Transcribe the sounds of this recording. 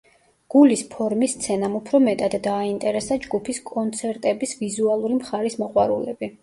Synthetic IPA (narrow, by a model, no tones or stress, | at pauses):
ɡ̥ulispʰɔɾmist̪sʰɛnamupʰɾɔmɛt̪ʼad̪ːaːint̪ʼɛɾɛsad͡ʒɡupʰiskʼɔnt̪sʰɛɾt̪ʼɛbisvizualˠuɾimχaɾismɔqʼwaɾulɛbi